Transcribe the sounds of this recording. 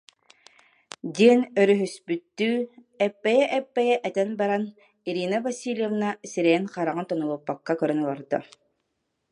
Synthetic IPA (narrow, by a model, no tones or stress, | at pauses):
d̪iɛnœɾyɦyspyt̪ːyː | ɛpːɛjɛʔɛpːɛjɛʔɛt̪ɛnbaɾan | iɾiːnavasʲiːlʲjɛvnasiɾɛjɛnqaɾaʁɯnt̪ɔnɔlˠupːakːakœɾœnɔlˠaɾd̪ɔ̰